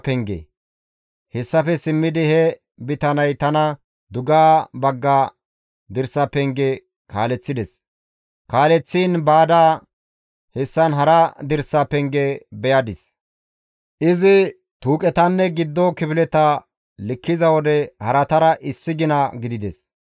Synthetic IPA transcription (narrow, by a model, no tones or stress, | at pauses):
pɛŋɡɛ̰ | hɛsːɐfɛsɪmːɪd̪ɪhɛ | bɪt̪ɐnɐjt̪ɐnɐ | d̪ʊɡaːbɐɡːaː | d̪ɪɾsɐpɛŋɡɛ | kaːlɛt͡sːɪd̪ɛs | kaːlɛt͡sːiːnbaːd̪aː | hɛsːɐnɦɐɾɐd̪ɪɾsɐpɛŋɡɛbɛjɐd̪ɪs | ʔɪzɪ | t̪uːkʼɛt̪ɐnːɛɡɪd̪ːɔkɪpɪlɛt̪ɐ | lɪkːɪzɐwɔd̪ɛhɐɾɐt̪ɐɾɐʔɪsːɪɡɪnɐɡɪd̪ɪd̪ɛs